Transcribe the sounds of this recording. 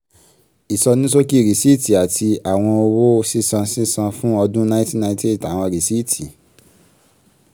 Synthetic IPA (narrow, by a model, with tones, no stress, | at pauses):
i˨sɔ˧nĩ˦s̬o˦ki˦˨ɾi˨si˦ti˨a˨tʰi˧a˨w̃ɔ̃˧o˧wo˦˧si˦˨sã˧si˦˨sã˧fũ˦ɔ˧dũ˦nã˦ĩ˦ti˦nã˧ĩ˦te˦˨ta˨w̃ɔ̃˧˨ɾi˨si˦˨tʰi˨